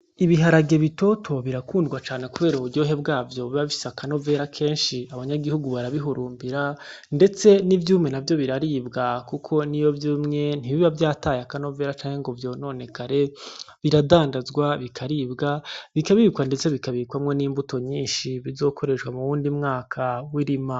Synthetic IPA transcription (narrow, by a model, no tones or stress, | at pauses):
iβiɦaɾaɡe̞βito̞tʰo̞βiɾakʰuːndɡwat͡ʃaːne̞kuβe̞ːɾouɾɟo̞ːɦe̞bɡaːvjo̞βiβaβifi̥sakano̞ve̞ːɾakʰe̞ːnʃiaβaɲaɡihuɡuβaɾaβiɦuɾuːmbiɾande̞t͡se̞nivjuːmŋe̞navjo̞βiɾaɾiːbɡakukʰo̞nijo̞vjuːmŋe̞n̥iβiβavjaːtaːjakano̞ve̞ːɾat͡ʃaːŋeŋɡo̞vjo̞ːno̞ːne̞kaɾe̞ | βiɾadaːndazɡwaβikʰaɾiːbɡaβikaβikwande̞t͡se̞βikaβikwamŋe̞niːmbuto̞ɲiːnʃiβizo̞ːkʰo̞ɾe̞ʃɡwamuβuːndimŋaːkʰawiɾima